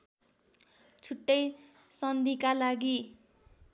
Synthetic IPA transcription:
t͡sʰuʈːʌj | sʌnd̪ʱikalaɡi

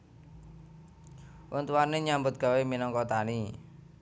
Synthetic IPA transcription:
wʔɔnt̪uwaneɲambʊt̪̚ɡ̥a̤weminɔŋkɔt̪ani

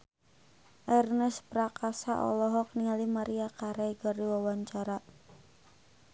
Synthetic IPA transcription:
ʔɛrnɛspɾakasa̰ʔɔ̰lɔɦɔk̚niŋalimaɾiakaɾɛɡɔɾiwawaɲt͡ʃaɾa

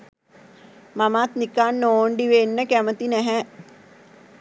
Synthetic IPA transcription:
mamat̪nikanːoːɳɖiʋenːəkæmət̪inɛɦɛ

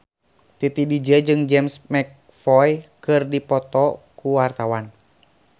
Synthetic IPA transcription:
t̪it̪idid͡ʒəd͡ʒɨŋd͡ʒɛmsmɛk̚ | fɔjkɨrdipɔt̪ɔkuwart̪awan

